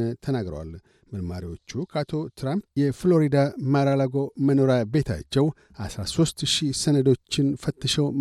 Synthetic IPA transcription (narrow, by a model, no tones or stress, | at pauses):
t̪ʰənaɡɾə̰wa̰l | məlma̰ɾiwo̞t͡ʃːukʰat̪ʰo̞t̪ʰɾampjɛflo̞ɾid̪amaɾalaɡo̞məno̞ɾabe̞t̪ʰa̰t͡ʃːɛw | ʔasɾaso̞st̪ʃisənəd̪o̞t͡ʃːɪnfət̪ːəʃɛw